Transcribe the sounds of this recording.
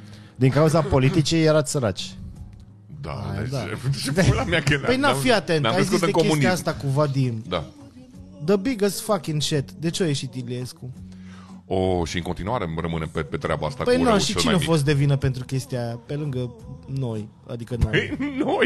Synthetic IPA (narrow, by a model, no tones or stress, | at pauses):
d̪iŋkauzapo̞lit̪it͡ʃejeɾat̪səɾat͡ʃʲ | d̪a̰a̰d̪a̰fʃid̪elameakepəjnafiat̪e̞nt̪aajskiust̪ɨekokemun̬iaast̪akumvad̪ind̪a̰ | d̪əbiɡəsfakinʃet̪d̪e̞t͡ʃeoje̞ʃit̪iliesku | oʃiɨŋko̞nt̪inuaɾerəmɨnempepet̪ɾʲea̰baa̰st̪a̰kpəjnuaʃit͡ʃinnefo̞s̬t̪̚d̪e̞vinəpent̪ɾukʲest̪iaape̞lɨŋɡəno̞j | a̰d̪ikənjnoj